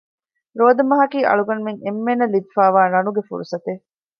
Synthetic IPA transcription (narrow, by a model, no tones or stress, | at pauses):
ɾoːd̪ɐmɐɦɐkiːʔɐ̰ɭuɡɐnmeŋemːenɐlid̪ifaːʋaːnɐnuɡefṵɾusɐt̪e